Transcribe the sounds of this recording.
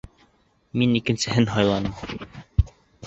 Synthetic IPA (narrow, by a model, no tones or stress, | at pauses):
minikɘ̆nsɘ̆ɦɘnɦɑjlˠɑnɤm